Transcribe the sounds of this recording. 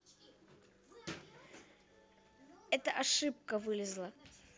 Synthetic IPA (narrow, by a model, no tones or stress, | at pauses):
ɛt̪əʔɐʂɨp̚kəvɨlʲɪzlˠə